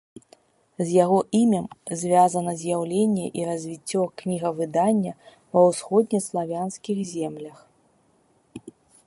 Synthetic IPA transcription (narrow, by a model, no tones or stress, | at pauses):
zʲjaɣɔʔimʲɐmzʲvʲazɐnɐzʲjawlʲenʲːɛʔiɾɐzʲvʲit͡sʲːɔknʲiɣɐvɨd̪anʲːɐ | vɐwsxɔd̪ʲnʲɛslˠavʲanskʲiɣzʲɛmlʲɐx